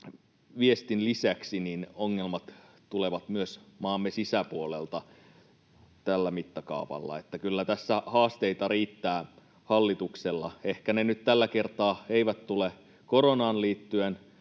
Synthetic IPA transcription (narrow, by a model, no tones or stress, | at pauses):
ʋiest̪inlisæksininoŋːelmɑt̪ | t̪uleʋɑt̪myøsmɑːmːesisæpuolelt̪ɑ | t̪ælːæmit̪ːɑkɑ̰upɑ̰lːɑ̰et̪ːækylːæt̪æsːæhɑːst̪eit̪ɑriːt̪ːæː | hɑlːit̪ukselːɑehkænenyt̪t̪ælːæke̞rt̪ɑːeiʋæt̪t̪ule | koɾonɑːnliːt̪ːyen